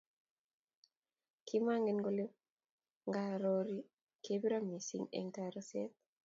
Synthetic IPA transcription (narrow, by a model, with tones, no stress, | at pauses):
ki˦ma˦ŋɡe˦nɡole˦ | ŋɡaɾoɾi | kebi˦ɾa˦mi˨sḭ˦ŋḛ˨ŋtaɾəset̪̚